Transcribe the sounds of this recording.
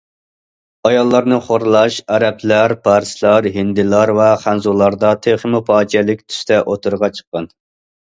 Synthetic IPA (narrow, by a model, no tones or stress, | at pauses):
ɑjɑlˠːɑɾnɨχoɾlˠɑʃɛɾɛpʰlæɾpʰɑɾslˠɑɾɦind̪ɪlˠɑɾvɛχænzulˠɑɾd̪ɑt̪ʰeχəmupʰɑːd͡ʒɛlɪkʲt̪ʰy̥st̪ʰɛʔot̪ʰuɾʁɑt͡ʃʰə̥qːɑn